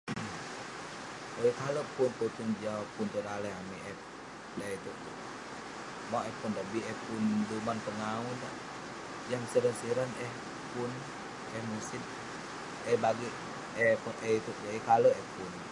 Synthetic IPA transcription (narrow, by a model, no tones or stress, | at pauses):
aikalopunput̪uŋd͡ʒawapunt̪udalɛɦamiɛp̚ | dait̪uʔ | maʔɛhpundabiɛpundumanpəŋaundaʔ | jaŋsiɾənsiɾanɛh | pun | ɛhmusin | ɛbaɡi | ɛpunʔɛit̪uʔjaikaloɛpun